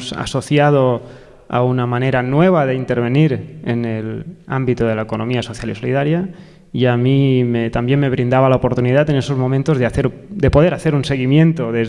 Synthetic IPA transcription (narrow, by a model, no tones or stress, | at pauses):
sa̰so̞θjað̞o | a̰unamane̞ɾanwe̞β̞aðeint̪e̞ɾβe̞niɾenela̰mbit̪oð̞e̞laekono̞miasoθjalisolḭð̞aɾja | iamimet̪ambjenme̞β̞ɾind̪aβalaopo̞ɾt̪uniðat̪e̞ne̞so̞zmo̞mẽnt̪ozðeaθeɾ | d̪epo̞ð̞eɾaθeɾunse̞ɣimjẽ̞nt̪oðez